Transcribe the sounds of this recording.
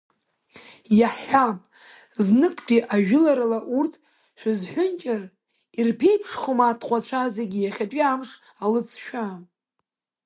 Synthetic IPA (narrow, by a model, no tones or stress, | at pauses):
jaħːam | znɨkʼpʼiʔaʒᶣɪlaɾalaʔurtʰ | ʃʷᶣɪzħʷʊnt͡ʃʼar | irpʰe̞jpʰʂχomaːtʰqʷʼat͡ʃʷʰazeɡʲijaχʲatʷʼiamʂ | alɨt͡sʰʃᶣam